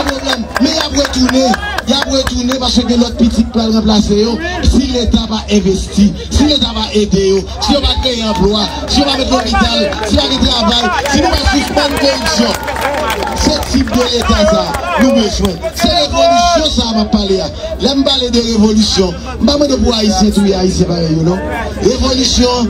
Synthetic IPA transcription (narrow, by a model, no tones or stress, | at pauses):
pʁoblɛmːɛ̃japɣetunejapɣet̪unẽpaskøɡɛ̃lɔt̪̚pitit̚plalnɐ̃plasejosilet̪apaʔɛ̃vesti | silet̪apaʔed̪ejo | sijopaɡɛ̃jɛ̃ãplwa | sijopafɛ̃t̪̬lopit̪alsipaɡɛ̃t̪ʁavajsinũpasusmãnkõisjõ | set̪ipd̪olet̪asanũmeswɛ̃seɣeolusjɔ̃sapapːalea | lɛm̩paled̪eʁevolusjɔ̃ | m̩pamɐ̃d̪epuaisjɛ̃t̪uiaisjɛ̃pajejonɔ̃ | ʁevolusjõ